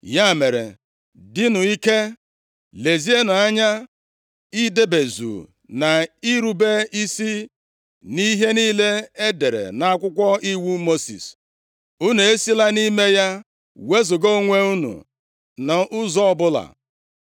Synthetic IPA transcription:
ja˦˨me˨ɾḛ˨ | dɪ˦nʊ˨i˦ke˦ | le˨zi˦e˦nʊ˨a˦ɲa˦ | i˦de˦be˨zṵ˨ | na˨i˦ɾu˦be˦i˦si˦ | ni˦ɦe˦niː˦le˦e˦de˨ɾḛ˨na˨a˦kʷʊ˦kʷɔ˦i˦wu˦mo˦sḭ˨s | u˦ne˨e˦si˦la˦ni˦me˦ja˦ | we˦zʊ˨ɡo˦ŋʷe˦u˦nṵ˨ | nɔ˨ʔʊ˦zɔ˦ɔ˦bʊ˦la̰˨

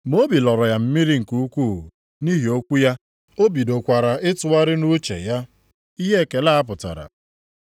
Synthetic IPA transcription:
mo˦bi˨lɔ˨ɾɔ˨ja˨m̩˦mi˦ɾi˦ŋ̩˨ku˦kʷu˦˨ | ni˦ɦi˨o˦kʷu˦ja˦ | o˦bi˨do˨kʷa˨ɾa˨ɪ˦tʊ˨wa˦ɾɪ˦nu˦t͡ʃḛ˨ja˦ | i˦ɦe˦˨ke˨la˦a˦p̬ʊ˨ta̰˨ɾa̰˨

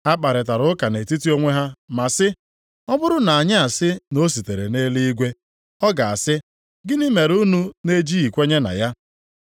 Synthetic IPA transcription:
a˦k͡pa˨ɾɪ˨t̬a˨ɾʊ˦ka˨ne˨ti˦ti˦o˦ŋʷe˦ɦa˦ma˨sɪ˦ | ɔ˦bʊ˦ɾʊ˦na˨a˨ɲɪ˦a˨sɪ˦no˦s̬i˨te˨ɾe˨ne˦li˦i˦ɡʷe˦ | ɔ˦ɡa˨a˨sɪ˦ | ɡɪ˦nɪ˦me˨ɾu˦nu˦ne˦d͡ʒi˦i˨kʷe˦ɲe˦na̰˨ja˦

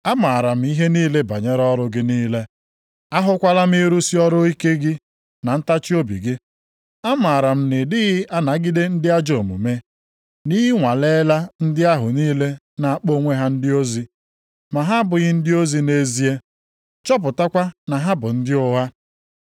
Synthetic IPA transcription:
a˦ma˨ɾa˨m̩˦i˦ɦe˦niː˦le˦ba˨ɲe˦ɾɔ˦ɾʊ˦ɡɪ˦niː˦le˦ | a˦ɦʊ˦kʷa˦la˦m̩˦i˦ɾu˦si˦ɔ˦ɾʊ˦i˦ke˦ɡɪ˦ | na˨n̩˦ta˦t͡ʃi˦o˦bḭ˨ɡɪ˦ | a˦ma˨ɾa˨m̩˦nɪ˨dɪ˦ɣɪ˦ʔa˦na˨˦ɡɪ˦de˦n̩˦dɪ˦a˦d͡ʒo˨mṵ˨me˦ | ni˦ɪ˦ŋʷa˨le˦la˦n̩˦dɪ˦a˦ɦʊ˨niː˦le˦ | na˨a˦k͡po˦ŋʷe˦ɦa˦n̩˦dɪ˦o˦zi˦ | ma˨ɦa˦bʊ˨ɣɪ˦n̩˦dɪ˦o˦zi˦ne˦zi˦e˦ | t͡ʃɔ˦p̬ʊ˨ta˦kʷa˦na˨ɦa˦bʊ˨n̩˦dɪ˦ʊ˦ɦa˦

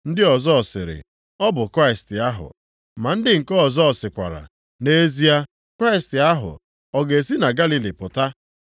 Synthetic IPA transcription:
n̩˦dɪ˦ɔ˨zɔ˦ɔ˨sɪ̰˨ɾɪ̰˨ | ɔ˦bʊ˨kɾa˦ɪ˨stɪ˨a˦ɦʊ̰˨ | ma˨n̩˦dɪ˦ŋ̩˨kɔ˦˨zɔ˦ɔ˨sɪ˨kʷa̰˨ɾa̰˨ | ne˦zi˦a˦ | kɾa˦ɪ˨stɪ˨a˦ɦʊ̰˨ | ɔ˨ɡe˨si˦na˨ɡa˦li˨li˨pʊ˨ta˦

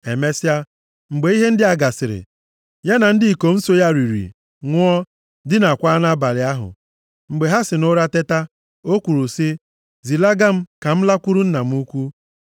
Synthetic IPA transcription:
e˨me˦si˦a˦ | ŋ͡m̩˨ɡ͡be˨˦i˦ɦe˦n̩˦dɪ˦a˦ɡa˨sɪ˨ɾɪ̰˨ | ja˦na˨n̩˦dɪ˦i˨ko˨m̩˦so˦ja˦ɾi˨ɾḭ˨ | ŋʷʊ˦ɔ˦ | dɪ˦na˨kʷaː˦na˦ba˨lɪ˨a˦ɦʊ̰˨ | ŋ͡m̩˨ɡ͡be˨ɦa˦sɪ˨nʊ˦ɾa˦te˦ta˦ | o˦kʷu˨ɾu˨si˦ | zi˨la˦ɡa˦m̩˦ka˨m̩˦la˦kʷu˦ɾu˦n̩˦na˨m̩˦u˦kʷu˦

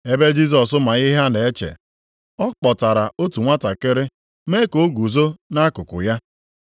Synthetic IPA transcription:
e˦be˦d͡ʒi˦s̬ɔ˨s̬ʊ˦ma˨ɣi˦ɦa˦ne˨e˦t͡ʃḛ˨ | ɔ˦k͡pɔ˨ta˨ɾa˨ʔo˦tu˨ŋʷa˦ta˨kɪ˦ɾɪ˦ | me˦ko˨˦o˦ɡu˨zo˦na˦kʊ˨kʊ̰˨ja˦

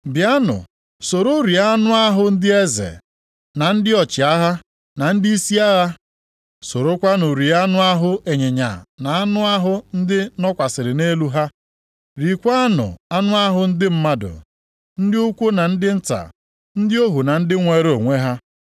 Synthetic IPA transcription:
bja˦nʊ̰˨ | so˨ɾo˦ɾi˨a˦nʊ˦a˦ɦʊ˦n̩˦dɪ˦e˦zḛ˨ | na˨n̩˦dɪ˦ɔ˨t͡ʃɪ˨a˦ɦa˦ | na˨n̩˦dɪ˦i˦si˦a˦ɣa˦ | so˨ɾo˦kʷa˦nʊ˨ɾi˨a˦nʊ˦a˦ɦʊ˦ʔe˨ɲe˨ɲa̰˨na˨a˦nʊ˦a˦ɦʊ˦n̩˦dɪ˦nɔ˦kʷa˨sɪ˨ɾɪ˨ne˦lu˦ɦa˦ | ɾi˨kʷa˦nʊ̰˨a˦nʊ˦a˦ɦʊ˦n̩˦dɪ˦m̩˦ma˦dʊ̰˨ | n̩˦dɪ˦u˦kʷo˦na˨n̩˦dɪ˦n̩˦ta̰˨ | n̩˦dɪ˦o˦ɦu˨na˨n̩˦dɪ˦ŋʷe˨ɾo˨ŋʷe˦ɦa˦

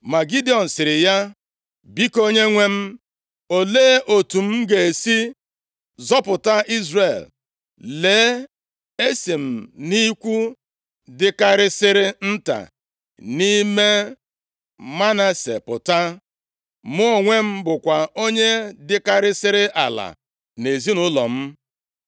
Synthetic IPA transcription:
ma˨ɡi˦di˨˦ɔ˨n̩˨sɪ˨ɾɪ˨ja˦ | bi˦ko˦ɲe˦ŋʷe˦m̩˦ | o˨leː˦ʔo˨tu˨m̩˦ɡe˨e˨si˦ | zɔ˦pʊ˨ta˦i˦zre˨l | leː˨˦ | e˦si˨m̩˨ni˦kʷu˦ | dɪ˦ka˦ɾɪ˦sɪ˦ɾɪ˦n̩˦ta̰˨ | ni˦me˦ | ma˦na˦sḛ˨pʊ̰˨ta˦ | mʊ˦o˨ŋʷe˦m̩˦bʊ˨kʷa˨o˦ɲe˦dɪ˦ka˦ɾɪ˦sɪ˦ɾɪ˦ʔa̰˨la̰˨ | ne˨zi˦nʊ˦lɔ̰˨m̩˦

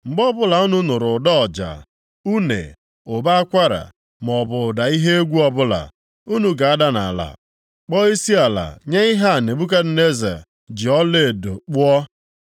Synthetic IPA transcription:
ŋ͡m̩˨ɡ͡bɔ˦bʊ˦la˨u˦nu˦nʊ˨ɾʊ˨dɔ˦ɔ˨d͡ʒa̰˨ | u˦nḛ˨ | ʊ˨ba˦a˦kʷa˦ɾa̰˨ | m˨ɔ˨bʊ˨ʊ˨da˨i˦ɦe˦e˦ɡʷu˦ɔ˦bʊ˦la̰˨ | u˦nu˨ɡa˨a˦da˦na̰˨la̰˨ | k͡pɔ˦i˦si˦a˨la̰˨ɲe˦i˦ɦa˦˨ne˨bu˦k̬a˦d̩˨ne˦za̰˨ | d͡ʒɪ˨ɔ˦le˦˨do̰˨k͡pʷɔ˦

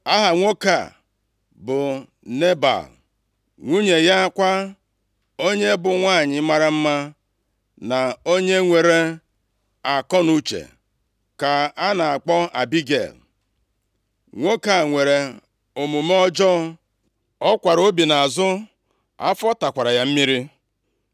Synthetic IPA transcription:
a˦ɦa˨ŋʷo˦ka̰˨ | bʊ˨ | ne˦ba̰˨l | ŋʷu˦ɲe˨ja˦kʷa˦ | o˦ɲe˦bʊ˨ŋʷa˦˨ɲɪ˨˦ma˨ɾa˦m̩˦ma˦ | na˨o˦ɲe˦ŋʷe˨ɾe˦ | a˨kɔ˦nu˦t͡ʃḛ˨ | ka˨a˦na˨a˨k͡pɔ˦a˨bi˦ɡḛ˨l | ŋʷo˦ka˨ŋʷe˨ɾe˨ | o˨mu˨m˦ɔ˦d͡ʒɔ˦ | ɔ˦kʷa˨ɾo˦bi˨na˨a˨zʊ˦ | a̰˦fɔ˦ta˨kʷa˨ɾa˨ja˦m̩˦mi˦ɾi˦

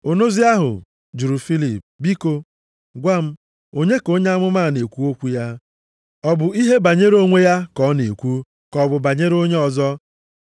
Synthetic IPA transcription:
ʊ˨no˦zi˦a˦ɦʊ̰˨ | d͡ʒu˨ɾu˨fi˦li˨p̚bi˦ko˦ | ɡʷa˦m̩˦ | o˦ɲe˦ko˦ɲe˦a˦mʊ˦maː˦˨ne˨kʷu˦o˦kʷu˦ja˦ | ɔ˨bʊ˨i˦ɦe˦ba˨ɲe˦ɾo˦ŋʷe˦ja˦kɔ˨˦ne˨kʷu˦ | kɔ˨bʊ˨ba˨ɲe˦ɾo˦ɲe˦ɔ˨zɔ˦

